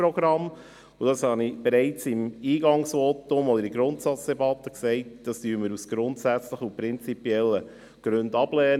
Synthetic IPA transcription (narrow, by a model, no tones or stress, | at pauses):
ɾɔɡ̥ɾɑm | ʊd̥ɑshɑnib̥eɾɛɪt͡sɪmiːɡɑŋsʋotʊmɔd̪əɾiɡɾʊntsɑt͡sd̥ɛbɑt̪ːəksɛɪt̚d̥ɑstyːənmɪɾusɡ̥ɾʊntsæt͡sləχupɾɪnt͡sipiɛlːə | ɡ̥ɾʏndɑb̥lɛːn